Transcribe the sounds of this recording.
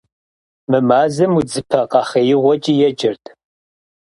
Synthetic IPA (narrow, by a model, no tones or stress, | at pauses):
mɨmaːzɨmud͡zɨpʰɐqɑχɐjɪʁʷɔt͡ʃʼijɛd͡ʒʼɪrtʰʼ